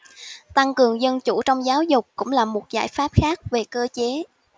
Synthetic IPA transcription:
t̪a˧ŋkɨ˨˩əŋzə˧nt͡ɕu˧˩t͡ɕɔ˧wŋ͡mzaː˨˦wzʊ˨˩k͡p̚kʊ̰˧˥ŋ͡mlaː˨˩mo˨˩t̚za̰ː˧˥˩jfaː˦˥p̚xaː˦˥k̚ve˨˩kəː˧t͡ɕe˨˦

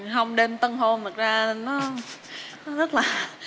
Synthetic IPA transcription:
ɦə˧wŋ͡mɗe˧mt̪ə˧nɦo˧nt̪ʰə˨˩k̚zaː˧ne˧˩nːɔ˨˦˨ | zə˦˥t̚laː˨˩

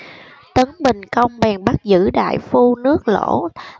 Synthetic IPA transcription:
t̪ə˨˦nɓï˨˩ŋ̟kə˧wŋ͡mɓɛ˨˩ŋɓa˦˥t̚zɨ̰˧˥ɗa̰ː˧˨jfu˧nɨ˦˥ək̚lo̰˧˥

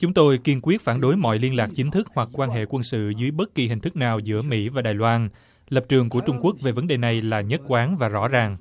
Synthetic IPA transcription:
t͡ɕʊ˨˦ŋ͡mt̪o˧jki˧ənkwi˦˥ət̚faː˧˩nɗo˨˦jmɔ̰˧˨jli˧ənlaː˨˩k̚t͡ɕï˨˦ŋ̟t̪ʰɨ˦˥k̚hwa˨˩k̚kwaː˧nɦḛ˧˨kwə˧nsɨ̰˧˨zɨː˨˦jɓə˦˥t̚ki˨˩hï˨˩ŋ̟t̪ʰɨ˦˥k̚naː˨˩wzɨ̰˧˥əmḭ˧˥vaː˨˩ɗaː˨˩jlwaː˧n | lə˨˩p̚t͡ɕɨ˨˩əŋku˧˩ət͡ɕʊ˧ŋ͡mku˦˥ək̚ve˨˩və˨˦nɗe˨˩na˨˩jlaː˨˩ɲə˦˥t̚kwaː˨˦nvaː˨˩zɔ̰˧˥zaː˨˩ŋ

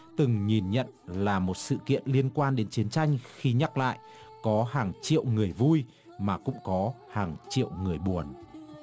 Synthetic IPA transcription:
t̪ɨ˨˩ŋɲi˨˩nɲə̰˧˨nlaː˨˩mo˨˩t̚sɨ̰˧˨kḭ˧˨ənli˧ənkwaː˧nɗe˨˦nt͡ɕi˨˦ənt͡ɕa˧jŋ̟xi˧ɲa˦˥t̚la̰ː˧˨j | kɔ˨˦ɦaː˨˩ŋt͡ɕḭ˧˨əwŋɨ˨˩əjvu˧j | maː˨˩kʊ̰˧˥ŋ͡mkɔ˨˦ | haː˨˩ŋt͡ɕḭ˧˨əwŋɨ˨˩əjɓu˨˩ən

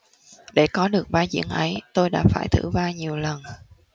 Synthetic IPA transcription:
ɗe˧˩kɔ˨˦ɗɨ˨˩ək̚ɓaː˧zḭ˧˥ənʔə˨˦jt̪o˧jɗa̰ː˧˥faː˧˩jt̪ʰɨ̰˧˩vaː˧ɲi˨˩əwlə˨˩n

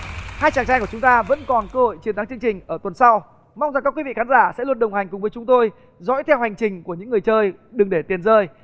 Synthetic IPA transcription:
haː˧jt͡ɕaː˨˩ŋt͡ɕaː˧jku˧˩ə˩ʊ˨˦ŋ͡mt̪aː˧və̰˧˥nkɔ˨˩nkəː˧ho̰˧˨jt͡ɕi˨˧ənt̪a˨˧˦ŋt͡ɕɨ˧əŋt͡ɕï˨˩ŋ̟ʔəː˧˩t̪wə˨˩nsa˧w | ma˧wŋ͡mzkaː˦˥kwi˧˦vḭ˧˨xaː˨˦nzaː˧˩sɛ̰˧˥lu˧˩ənɗə˨˩wŋ͡mha˨˩jŋ̟kʊ˨˩ŋ͡mvəː˨˦jt͡ɕʊ˨˦ŋ͡mt̪o˧j | zɔ̰˧˥jt̪ʰɛ˧wha˨˩jŋ̟t͡ɕï˨˩ŋ̟ku˧˩əɲɨ̰˧˥ŋːɨ˨˩əjt͡ɕəː˧jɗɨ˨˩ŋɗe˧˩t̪i˨˩ənzəː˧j

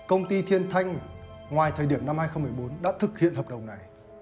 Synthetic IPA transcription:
kə˧wŋ͡mt̪i˧t̪ʰi˧ənt̪ʰa˧jŋ̟ | ŋwaː˨˩jt̪ʰəː˨˩jɗi˧˩əmna˧mhaː˧jxə˧wŋ͡mmɨ˨˩ə˩jɓo˨˦nɗa̰ː˧˥t̪ʰɨ˨˩k̚hḭ˧˨ənhəː˨˩p̚ɗə˨˩wŋ͡mna˨˩j

